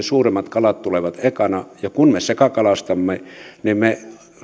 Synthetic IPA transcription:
suːremːˑɑt̪kɑlɑt̪t̪uleʋɑt̪ekɑnɑjɑkunmesekɑkɑlɑst̪ɑmːenimme

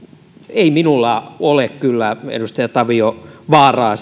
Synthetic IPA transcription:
eiminulːɑolekkylːæḛdust̪ɑjɑt̪ɑʋioʋɑːrɑːs

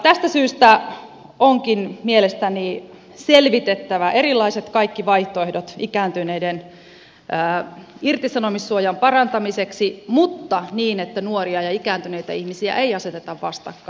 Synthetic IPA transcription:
t̪æst̪æsyːst̪æ | oŋkinmielest̪æni | selʋit̪et̪ːæʋæʔerilːˑɑiset̪kɑikːiʋɑiht̪oehdot̪ikæːnt̪yneiden | əːirt̪isɑnomisːuojɑmpɑrɑnt̪ɑmiseksimut̪ːɑniːnet̪ːænuoriɑjɑikæːnt̪yneit̪æ̰ihmisiæ̰ʔeiɑset̪et̪ɑʋʋɑst̪ɑ̰kːɑ̥

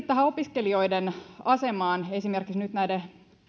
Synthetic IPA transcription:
t̪t̪ːæhæopiskelio̞idenɑsemɑːnesimerkiksnyt̪næide

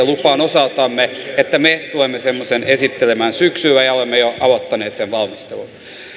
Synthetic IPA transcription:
elupɑːnosɑlt̪ɑmːeet̪ːæmet̪uemːesemːosenesit̪ːelemænsyksyʋæjɑolemːejoɑʋot̪ːɑneːt̪seʋʋɑlmist̪elun

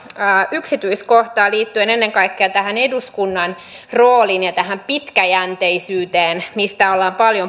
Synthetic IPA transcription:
yksit̪yiskoht̪ɑːliːt̪ːyene̞nːeŋkɑikːeɑt̪æɦæne̞duskunːɑn | roːlinjɑt̪æɦæmpit̪kæjænt̪eisyːt̪eːnmist̪æolːɑːmpɑljo

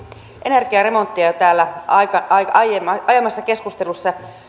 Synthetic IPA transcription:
ʔene̞rɡiæɾe̞mo̞nt̪ːiɑt̪æːlːæɑkɑɑɑjemɑɑjɑmːɑsːɑke̞skust̪elusːɑ

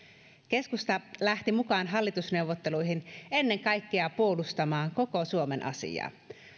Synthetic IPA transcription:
k̟e̞skust̪ɑlæht̪imukɑːnɦɑlːit̪usne̞uʋːot̪ːe̞lujɦine̞nːe̞ŋkɑjkːeɑpuolust̪ɑmɑːŋko̞kosuome̞nʔɑ̰sḭjɑ̰ː

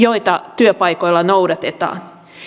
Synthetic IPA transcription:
joit̪ɑt̪yøpɑikoilːɑnoudɑt̪et̪ɑ̰ːn

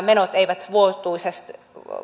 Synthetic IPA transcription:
menot̪eiʋæt̪ʋuot̪ːˑuisest̪

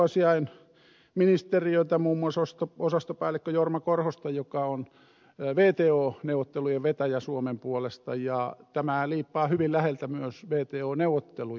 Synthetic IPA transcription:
ɑsiɑin | minist̪eriøit̪æmuːmːuɑsost̪oosɑst̪opɑilekːøjormɑkorhost̪ɑjokɑon | ʋeːt̪eːoːneuʋˑot̪ːelujeʋʋet̪æjæsuomempuolest̪ɑjɑt̪æmæliːpːɑːhyʋillæhelt̪æmyøsʋeːt̪eːoːneuʋˑot̪ːelu

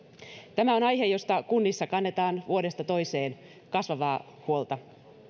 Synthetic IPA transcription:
t̪æmæo̞nɑjɦe̞jo̞st̪ɑkunːisːɑkɑnːe̞t̪ɑːnʋuo̞de̞st̪ɑt̪o̞jse̞ːn | kɑsʋɑʋɑː | huo̞lt̪ɑ

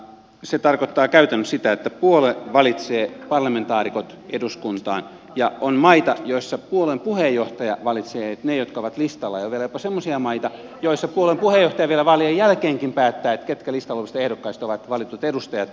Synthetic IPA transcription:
set̪ɑrkot̪ːɑːkæyt̪ænːyssit̪æet̪ːæpuoleʋɑlit̪seːpɑrlɑment̪ɑːrikot̪ | eduskunt̪ɑ̰ːn | jɑonmɑit̪ɑjoisːɑpuolempuhejːoht̪ɑjɑʋɑlit̪seːet̪nejot̪kɑoʋɑt̪list̪ɑlːɑjoʋielæjopɑsemːosiɑmɑit̪ɑ | joisːɑpuolempuhejoht̪ɑjɑʋielæʋɑliejælkeːŋkimpæːt̪ːæːet̪ket̪kælist̪ɑloʋist̪ɑehdokːɑist̪oʋɑt̪ʋɑlit̪ut̪edust̪ɑjɑt̪

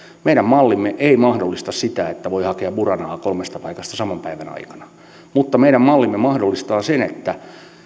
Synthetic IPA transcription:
meiɾæmmɑlːimːeʔeimɑhdolːist̪ɑssit̪æet̪ːæʋoihɑkeɑburɑnɑːkolmest̪ɑpɑikɑst̪ɑsɑmɑmpæiʋænɑ̰ikɑ̥nɑ | mut̪ːɑmeiɾæmmɑlːimːemɑhdolːist̪ɑːsenet̪ːæ

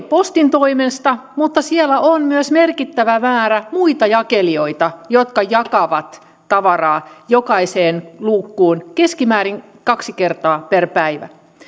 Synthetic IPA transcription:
post̪int̪oimest̪ɑmut̪ːɑsielæʔonmyøsmerkit̪ːæʋæʋæːɾæmuit̪ɑjɑkelio̞it̪ɑjot̪kɑjɑkɑʋɑt̪ː | ɑʋɑrɑːjokɑiseːnluːkːuːnkeskimæːɾiŋ | kɑksikert̪ɑːperpæiʋæ̰

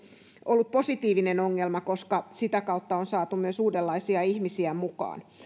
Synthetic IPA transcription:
olːup̪̚po̞sit̪iːʋinenoŋːelmɑkoskɑsit̪ækɑut̪ːɑonsɑːt̪umyøsuːdelːɑisiɑihmisiæmukɑ̰ːn

